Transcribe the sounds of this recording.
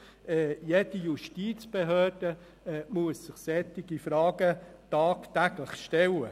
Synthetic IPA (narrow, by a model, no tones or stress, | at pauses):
ɛjed̥ijuʃtiːt͡sb̥eɦøːrd̥ə | muəssɪχsɛt̪ɪɡifɾɑːɡət̪ɑːkt̪æɡ̥ləχʃtɛlə